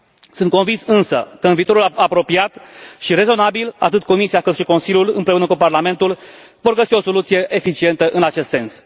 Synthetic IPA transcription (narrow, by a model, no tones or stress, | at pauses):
sunt̪̚ko̞nvinsɨnsə̰kəɨnviːt̪o̞ɾulapɾo̞piat̪ʃiɾe̞zo̞nabila̰t̪ɨt̪̚ko̞misijakɨt̪ʃiko̞nsilʲjulɨnpɾe̞unəkuparlame̞nt̪ul | vo̞rɡəsio̞so̞lut̪sije̞ʔefit͡ʃie̞nt̪əʔɨnat͡ʃe̞st̪se̞ns